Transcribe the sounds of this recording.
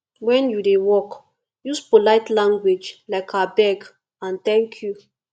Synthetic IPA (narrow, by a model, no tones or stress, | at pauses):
wɛ̃njudewɔk | juspolaɪtlãŋɡwed͡ʒlaɪkʰabɛɡ | ãnt̪ɛ̃ŋkʰju